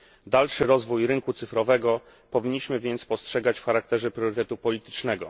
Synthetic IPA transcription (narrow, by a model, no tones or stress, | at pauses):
d̪alʂɘɾɔzvujɾɘŋkut̪sɘfɾɔvɛɡɔ | pɔvʲiɲːiɕmɘvʲjɛnt̪spɔstʂɛɡat͡ɕfxaɾak̚t̪ɛʐɛpɾʲjɔɾɘt̪ɛt̪upɔlʲit̪ɘ̥t͡ʂnɛɡɔ̰